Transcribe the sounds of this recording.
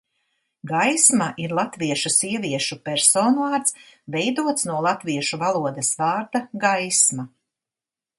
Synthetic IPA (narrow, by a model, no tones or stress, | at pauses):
ɡajsmaʔiɾlˠat̪viɛʃusiɛvʲiɛʃupɛɾsoːnuvaːɾt̪svɛjd̪uɔt̪snuɔlˠat̪viɛʃuvalˠuɔd̪ɐsvaːɾd̪aɡajsma